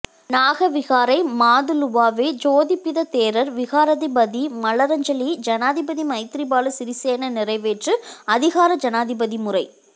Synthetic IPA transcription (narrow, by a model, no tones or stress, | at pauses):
naːɣɐʋɪɣaːɾɐɪmaːðɯlʊʋaːʋeːd͡ʒoːðɪpːɪðɐt̪eːɾɐɾʋɪɣaːɾɐðɪbɐðimɐlɐɾɐɲd͡ʒɐlid͡ʒɐnaːðɪbɐðimɐɪt̪ɾibaːlɯsɪɾɪseːnɐnɪrɐɪʋeːʈrɯɐðɪɣaːɾɐd͡ʒɐnaːðɪbɐðimʊrɐɪ